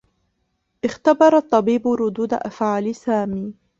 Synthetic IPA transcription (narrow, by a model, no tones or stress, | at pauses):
ʔɪxt̪abɑɾˤɑt̪ˤːɑbiːbʊɾʊd̪uːd̪a̰ʔafʕaːlɪsaːmiː